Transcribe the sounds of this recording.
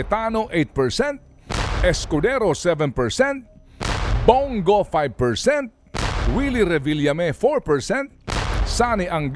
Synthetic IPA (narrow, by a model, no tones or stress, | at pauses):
ɪt̪anoʔejt̪̚pɛɹsɛ̃nt̪̚ | ɛskʊd̪ɛɾosɛvɛ̃npɛɹsɛnt̪̚ | boŋɡofajb̚pɛɹsɛnt̪̚wiliɾɛviljɐmɛfoɹpɛɹsɛnt̪̚sanɪʔɐŋɡ